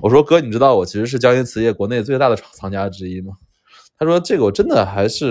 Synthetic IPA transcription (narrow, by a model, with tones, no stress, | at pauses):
wɔ˨˩ʂwɔ˥kɤ˥ni˨˩ʈ͡ʂɻ̩˥t̪ɑ˥˩ʊwɔ˨˩t͡ɕʰi˧˥ʂɻ̩˧ʂɻ̩˥˩t͡ɕjɑ˥ŋy˧˥t͡sʰɹ̩˧˥jɛ˥˩kwɔ˧˥ne˥˧ɪt͡swe˥˧ɪt̪a˥˩d̪ə˩ʈ͡ʂʰɑ̥˨˩ŋt͡sʰɑ˧˥ŋt͡ɕja˥ʈ͡ʂɻ̩˥i˥mɐ˩ | t̪ʰa˥ʂwɔ˥ʈ͡ʂɤ˥˩ɡə˩wɔ˨˩ʈ͡ʂə˥nd̪ə˨xa˧˥ɪʂɻ̩˥˩